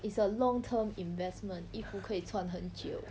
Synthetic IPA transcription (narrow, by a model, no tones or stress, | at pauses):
itsəlɔŋtʰəmĩnvɛsmə̃ntifukʰəit͡sʰwanɦənt͡ɕiʊ